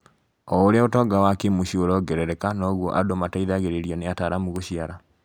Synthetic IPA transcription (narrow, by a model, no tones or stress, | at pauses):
ɔoɾeaotɔɡawakemoɕioɾɔɡɛɾɛɾɛkanɔɣwɔʔadomataiðaɣeɾeɾiɔneataɾamuɣoɕiaɾa